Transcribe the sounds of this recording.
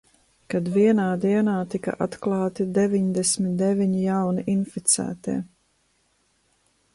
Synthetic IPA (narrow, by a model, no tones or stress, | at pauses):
kad̪viɛnaːd̪iɛnaːt̪ika̰ʔat̪klˠɑːt̪id̪evʲiɲd̪ɛsmʲit̪̚d̪ɛvʲiɲijawniʔinfit̪sæ̰ːt̪ḭː